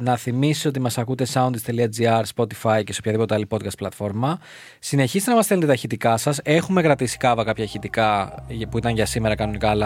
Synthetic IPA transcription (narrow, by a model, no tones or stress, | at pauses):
nɐθimisiso̞t̪imɐsɐkut̪e̞sɐund̪ist̪e̞liɐd͡ziɐɾspo̞t̪i̥fɐjceseopçɐðipot̪e̞ɐlipo̞d̪kɐst̪plɐt̪fo̞ɾmɐ | sine̞çist̪enɐmɐsθelnt̪et̪ɐçit̪ikɐsɐse̞xume̞kɾɐt̪isi̥kɐvɐkɐpçɐçit̪ikɐpuit̪ɐŋʝɐsime̞ɾɐkɐno̞nikɐːlɐ